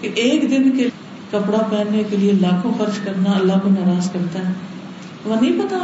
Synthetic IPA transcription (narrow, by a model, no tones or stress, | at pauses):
kɪʔeːkd̪ɪnke | kəpɽaːpɛːnːeːkelieːlaːkʰõːxəɾd͡ʒkəɾnaːəlːəːbnaːɾaːzkəɾd̪aːɛ | ʋənĩːpət̪aː